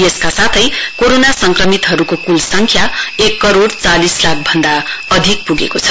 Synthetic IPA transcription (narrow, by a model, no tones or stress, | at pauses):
jeskasat̪ʰʌjkoɾonasʌŋkrʌmit̪ɦʌɾukokulsʌŋkʰjaekːʌɾoɽt͡salislak̚ʰbʱʌnd̪aʌd̪ʱik̚puɡekot͡sʰʌ̥